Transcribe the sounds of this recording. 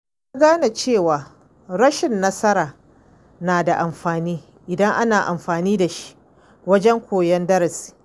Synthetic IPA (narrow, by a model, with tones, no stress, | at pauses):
ja˦ɡaː˦na˨t͡ʃeː˦˨waː˨ | ɾɐ˦ʃɪ˨nːɐ˦sɐ˦ɾaː˨ | naː˨da˨ʔa˨mɸaː˨niː˦ | ʔɪ˨dɐ˦ŋʔa˦naː˨ʔa̰˨mɸaː˨niː˦da˨ʃi̥˦ʔ | wɐ˦d͡ʒɛ˦ŋkʷoː˨jɛ˦ndɐ˦ɾɪ˨si̥˨